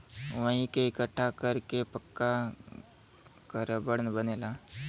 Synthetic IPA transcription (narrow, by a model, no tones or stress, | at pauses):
ʋəɦĩkeɪkəʈʰːakəɾkepəkːa | kəɾəbəɽnbəneːla